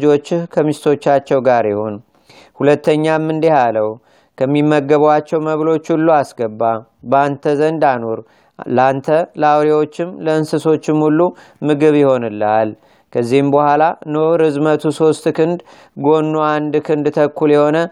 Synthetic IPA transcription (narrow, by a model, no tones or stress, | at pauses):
d͡ʒo̞t͡ʃːhkʰəmist̪ʰo̞t͡ʃːat͡ʃːɛwɡaɾjɪho̞n | hulət̪ːəɲːamːɨnd̪ihaləw | kʰəmːimːəɡːəβwat͡ʃːɛwməβlo̞t͡ʃːhulːuasɡəbːabəant̪ʰəzənd̪anoɾ | lant̪ʰələawɾiwo̞t͡ʃːɪmləɨnsɨso̞t͡ʃːɪmhulːu | mɨɡɨβjɪho̞nɨlːal | kʰəzːihɨmbəhʷalanoɾɨzmət̪ʰuso̞st̪kɨnd̪ | ɡo̞nːuand̪kʰɨnd̪t̪ʰəkːuljɛho̞nə